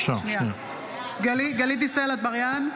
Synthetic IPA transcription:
ʃaniʃania | ɡaliɡalit̪̬ist̪aelat̪̚baʁjan

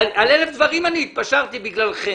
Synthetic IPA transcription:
alelefd̪vaʁimaniːt̪̚paʃaʁt̪ibiɡlalχe

